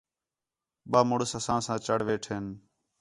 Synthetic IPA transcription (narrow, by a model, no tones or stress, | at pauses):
ɓaːmʊɽəsəsãːsãːt͡ʃəɽʋeːʈʰeːn